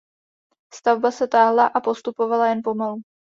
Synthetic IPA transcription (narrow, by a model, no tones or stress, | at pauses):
st̪avbasɛt̪aːɦlaʔapo̞st̪upo̞valajɛnpo̞malu